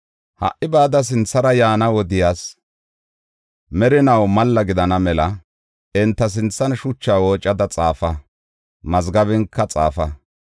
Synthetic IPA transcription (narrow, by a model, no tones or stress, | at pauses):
hɐ̰ʔɪbaːd̪ɐs̬ɪnt͡sːɐɾɐjaːnɐwɔd̪ɪjaːs | mɛɾɪnɐwmɐlːɐɡɪd̪ɐnɐmɛlɐ | ɛnt̪ːɐs̬ɪnt͡sːɐnʃʊt͡ʃːaːwoːt͡ʃʼːɐd̪ɐt͡sʼaːfɐ | mɐzɡɐβɪŋkʰːɐt͡sʼa̰ːfɐ